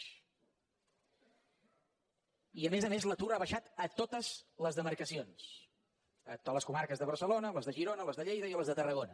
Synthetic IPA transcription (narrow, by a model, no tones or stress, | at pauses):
iəmezəmezlət̪uɾaβəʃat̪ət̪ot̪əz̥ləzðəməɾkəsions | ələskumaɾkəzðəβəɾsəlonələzðəʒiɾonələzðəʎejðəiləzðət̪ərəɣonə